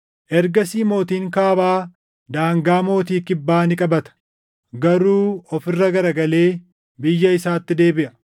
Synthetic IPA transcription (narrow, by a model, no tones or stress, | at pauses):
ʔɛɾɡɐsiːmo̞ːt̪iːŋkaːbaː | d̪aːŋɡaːmo̞ːt̪iːkɪbːaːnɪkʼɐbɐt̪ɐ̥ | ɡɐɾuːɔfɪrːɐɡɐɾɐɡɐle̞ː | bɪjːɐɪsaːt̪ːɪd̪e̞ːbɪʔɐ